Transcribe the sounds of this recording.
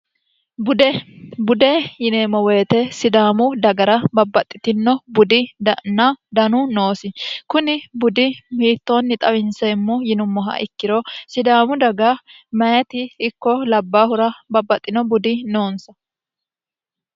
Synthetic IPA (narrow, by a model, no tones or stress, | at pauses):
bʊd̪ejɪneːmɔwe̞ːt̪ɛsɪd̪aːmʊd̪ɐɡɐɾɐbɐbːɐt̪ʼːɪ̥t̪ɪnːɔbʊd̪ɪd̪ɐnɐd̪ɐnʊno̞ːsɪkʊnɪbʊd̪ɪmiːt̪ːo̞ːnːɪt̪ʼɐwɪnsɛmːɔjɪnʊmːɔɦɐ̰ʔɪkːɪɾosɪd̪aːmʊd̪ɐɡɐmɐjɛt̪ɪːkːɔlɐbːaːhʊɾɐbɐbːɐt̪ʼːɪnɔbʊd̪ɪno̞ːnsɐ